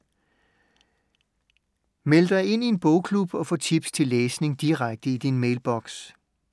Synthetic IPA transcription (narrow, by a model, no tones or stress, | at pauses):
meləd̥ɑ̈ɪe̝n̰ie̝nb̥ɔʊkʰlub̥ɒ̽fɔ̽ːt͡sʰib̥st͡sʰe̝lːeːsne̝ŋd̥iʁaɡ̥̚d̥əid̥inmeɪlb̥ɒɡ̥s